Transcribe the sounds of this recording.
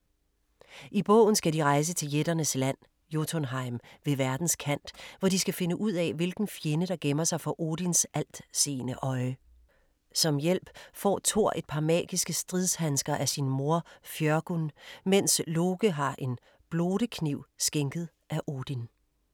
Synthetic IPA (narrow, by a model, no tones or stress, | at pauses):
ʔib̥ɔ̰̽ːʊn̩sɡ̥ædiʁɑ̈ɪs̬ət͡sʰe̝ljed̥ɐnəslæn̰ | jot͡sʰonɦɑ̈ɪmʋe̝ʋæɐd̥n̩skʰæn̰d̥ʋɒd̥isɡ̥æfe̝nəʔuð̞̰ˠɛʋe̝lɡ̥n̩fjenəɾ̥ɑ̈ɡ̥emɐsɑ̈ɪfɒ̽ʔo̝ːd̥insæl̰d̥se̝̰ːnəʔɒ̽ɪ | sɒ̽mjel̰b̥fɒ̰ːt͡sʰo̝ɐ̰ʔe̝d̥̚pʰɑ̈mɛ̰ːɡ̥isɡ̥əsd̥ʁiðˠshænsɡ̥ɐʔæsinmo̝ɐ̰fjœɐɡ̥unmen̰slo̝ːɡ̥əɦɑ̈ʔe̝n | b̥lo̝ːɾ̥əkʰniʊ̰sɡ̥eŋɡ̥ð̞̩ˠʔæʔo̝ːd̥in